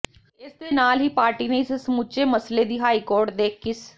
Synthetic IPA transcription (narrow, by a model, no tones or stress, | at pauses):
ɪsd̪eːnaːlɦiːpaːɾʈiːneːɪssəmuːt͡ʃeːməsleːd̪iːɦaːikoːɾʈd̪eːkʰːis